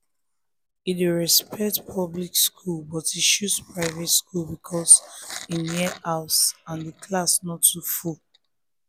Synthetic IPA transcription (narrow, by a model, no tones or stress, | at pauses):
ideɹɛspʰɛk̚tpʰɔblikskʰulbɔtiʃuspɹaɪvɛtskʰulˠbikʰɔsiniʔaʊsãndəkʰlasnɔtʰːuful